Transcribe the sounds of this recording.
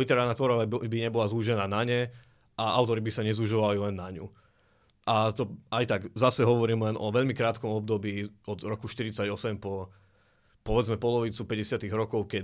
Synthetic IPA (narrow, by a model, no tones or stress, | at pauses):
lit̪ɛɾaːlnat̪ʋɔɾɔʋabiɲɛbɔlazuʒɛnaːnaɲɛ | ʔaaʊt̪ɔɾibisaɲɛzuʒɔʋalilɛnːaɲṵ | ʔat̪ɔajt̪aɡzasɛɦɔʋɔɾiːmlɛnʔɔʋɛʎmikɾaːt̪kɔmɔb̚d̪ɔbiːɔd̪ɾɔkuʃt̪iɾit͡saɟɔsɛmpɔ | pɔʋɛd͡zmɛpɔlɔʋit͡supɛɟɛsɪat̪iɣɾɔkɔʊkɛ